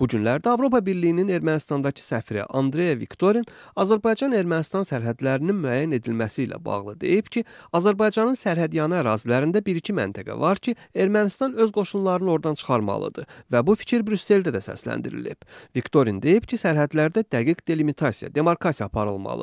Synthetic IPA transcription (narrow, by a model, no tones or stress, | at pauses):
b̥uɟynlæɾd̪æɑvɾo̞pʰɑbiɾlijinine̞ɾmænist̪ɑnd̪ɑcʰi̥sæfɾḭʔɑnd̪ɾe̞jevikt̪ʰo̞ɾin | ɑzæɾbɑjd͡ʒɑne̞ɾmænist̪ɑnsæɾɦæd̪læɾininmyæjːæne̞d̪ilmæsiːlæ̰bɑ̰ɣlˠɯd̪e̞̰jipcʰi | ɑzæɾbɑjd͡ʒɑnɯnsæɾɦæd̪jɑnɑːɾɑːzilæɾind̪æbiɾicʰimæ̰nt̪ʰæɡæ̰vɑɾcʰie̞ɾmænist̪ɑnø̞zɡo̞ʃunlˠɑɾɯnɯo̞ɾd̪ɑnt͡ʃʰɯ̥χɑɾmɑ̰lˠɯ̰d̪̥ɯvæbufi̥cʰiɾbɾysːe̞ld̪æd̪æsæ̰slæ̰nd̪ḭɾḭlḭb̥vikt̪o̞ɾind̪e̞jipcʰisæɾɦæd̪læɾd̪æd̪æɡiɡd̪e̞limit̪ʰɑsijɑ̰d̪e̞moɾkʰɑsijɑːpʰɑɾɯ̰lˠmɑ̰lˠɯ